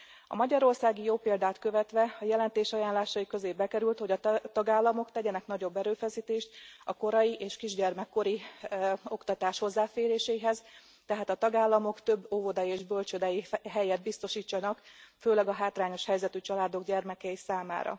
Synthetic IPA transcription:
ɒ̰mɒɟɒɾo̞rsaːɡijoːpeːld̪aːt̪kø̞vɛt̪ʋɛɒjɛlɛnt̪eːʃɒjaːnlaːʃɒjikø̞zeːbɛkɛɾylt̪ho̞ɟɒt̪ɒɡaːlːɒmo̞kt̪ɛɟɛnɛknɒɟo̞bːɛɾøːfɛsiːt̪eːʃt̪ɒko̞ɾɒjiʔeːʃkiʒɟɛrmɛkːo̞ɾi | o̞kt̪ɒt̪aːʃho̞zːaːfeːɾeːʃɛjiɦɛz | t̪ɛɦaːt̪ɒt̪ɒɡaːlːɒmo̞kt̪ø̞bːovo̞d̪ɒjieːʒbø̞lt͡ʃød̪ɛjiɦɛjɛd̪̚bist̪o̞ʃiːt͡ʃːɒnɒkføːlɛɡɒɦaːt̪raːɲo̞ʃhɛjzɛt̪yt͡ʃɒlaːd̪o̞ɡɟɛrmɛkɛisaːma̰ːɾɒ̰

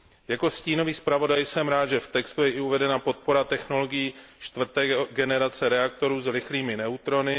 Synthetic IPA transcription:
jako̞sciːno̞viːspɾavo̞dajsɛmɾaːt̪d̪ʒɛft̪ɛkst̪ujɛʔɪuvɛdɛnapo̞t̪̚po̞ɾat̪ɛxno̞lo̞ɡɪjiːt͡ʃt̪vr̩t̪ɛːɡɛnɛɾat͡sɛɾɛak̚t̪o̞ɾuːzɾɪxliːmɪnɛut̪ɾo̞nɪ

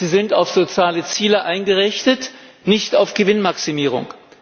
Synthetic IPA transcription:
ziːzɪntaʊfz̥ot͡sjaːlət͡siːləʔaɪnɡəʁɪçtətnɪçtaʊfɡ̥əvɪnmaksimiːʁ̞ʊ̰ŋ

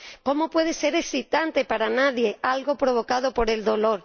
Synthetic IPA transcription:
komopweð̞eseɾesit̪ant̪epaɾanaðjealɣopɾoβ̞okað̞opoɾe̞ld̪oloɾ

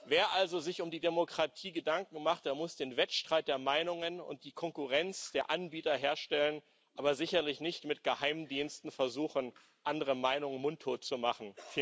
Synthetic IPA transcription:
veːɐʔalzozɪçʊmdiːdemokʁ̥atʰiːɡədaŋk̚ŋ̩maχt̚d̥eːɐmʊsd̥eːnvɛtʃtʁ̥aɪt̚d̥eːɐmaɪnʊŋənʊ̰nt̚d̥iːkʰɔŋkuʁɛnt͡sd̥eːɐʔanbiːtɐɦeːɐʃtɛlən | ʔaːbɐzɪçɐlɪçnɪçtmɪtɡ̥əhaɪmdiːnstn̩fɛɐzuːxən̩ | ʔandəʁəmaɪnʊŋəmʊntʰːoːt̚t͡sumaχn̩f

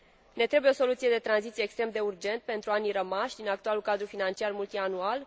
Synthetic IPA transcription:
ne̞t̪ɾe̞bujeo̞so̞lut̪sije̞d̪e̞t̪ɾanzit̪sieːkst̪ɾe̞md̪e̞urd͡ʒe̞nt̪̚pe̞nt̪ɾuanirəmaʃʲd̪inakt̪ualulkad̪ɾufinant͡ʃiarmult̪ianual

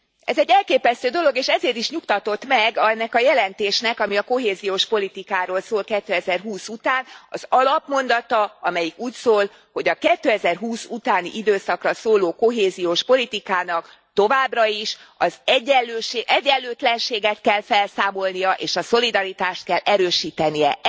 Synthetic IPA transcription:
ɛzɛɟːɛlkeːpɛst̪øːd̪o̞lo̞ɡeːʃɛzeːɾt̪iʃɲukt̪ɒt̪o̞t̪mɛɡnːɛkɒjɛlɛnt̪eːʃnɛkɒmiɒko̞ɦeːzijoːʃpo̞lit̪ikaːɾoːlsoːlkɛt̪ːøːɛzɛrɦuːsut̪aːnɒ̰z̥ɒlɒpmo̞n̪d̪ɒt̪ɒɒmɛjikuːcsoːl | ho̞ɟɒkɛt̪ːøːɛzɛrɦuːsut̪aːnḭʔid̪øːsɒkrɒsoːloːko̞ɦeːzijoːʃpo̞lit̪ikaːnɒk | t̪o̞vaːbrɒiʃɒzɛɟɛːøːʃeʔɛɟːɛllːøːt̪lɛnʃeːɡɛt̪kɛlfɛlsaːmo̞lnijɒʔeːʃɒso̞lid̪ɒɾit̪aːʃt̪̚kɛlːɛɾøːʃiːt̪ɛnijɛ

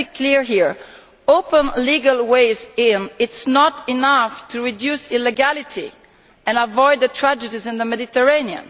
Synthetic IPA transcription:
ikʰliɹɦiɹ | opə̃nliɡalweɪzɪnɪtsnɔtinaft̪ʰuɹidjusilːeɡalitʰḭ | ɛ̃navɔjd̪ːət̪ʰɹad͡ʒədizɪ̃nd̪əmɛd̪it̪əɹeniã̰n

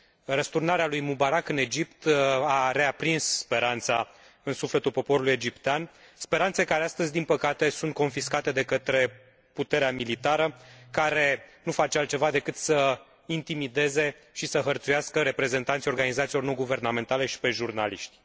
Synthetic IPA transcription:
rəst̪urnaɾealujmubaɾakɨne̞d͡ʒipt̪aɾe̞apɾinsspe̞ɾant̪sa | ɨnsufle̞t̪ulpo̞po̞ɾuluje̞d͡ʒipt̪eanspe̞ɾant̪sekaɾeast̪əzʲd̪inpəkat̪e̞sunt̪̚ko̞nfiskat̪e̞d̪e̞kət̪ɾe̞ | put̪e̞ɾeamilit̪aɾəkaɾe̞nufat͡ʃealt̪t͡ʃe̞vad̪e̞kɨt̪sə | int̪imid̪e̞ze̞ | ʃisəɦərt̪sujaskəɾe̞pɾe̞ze̞nt̪ant̪iorɡanizat̪silo̞rno̞ɡuve̞rname̞nt̪ale̞ʃi̥pe̞ʒurna̰liʃt̪ʲ

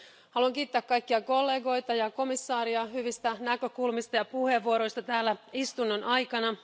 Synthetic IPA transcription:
hɑluɑŋkiːt̪ːæːkkɑjkːiɑkolːe̞ːɡo̞jt̪ɑjɑko̞misːɑːɾiɑɦyʋist̪ænækø̞kulmist̪ɑjɑpuheʋːuoɾo̞ist̪ɑt̪æːlːæist̪unːonɑjkɑnɑ

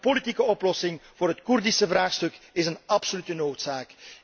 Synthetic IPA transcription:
politikəɔplɔsɪŋv̥ʊːɾɦətkurdisəvraːxstɵkɪzənɑpsolytənoːtsaːk

